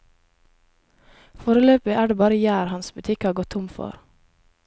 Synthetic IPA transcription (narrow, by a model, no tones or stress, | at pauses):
foːɾəløːpɪʔæːɖeːbɑːɾəjæːɾhɑnsbʉt̪ʰɪkhɑːɾɡɔt̪ʰʊmfɔ̰ɾ